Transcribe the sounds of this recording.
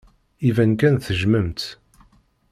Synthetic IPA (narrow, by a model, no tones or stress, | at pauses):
ivænkænθəʒməmt̪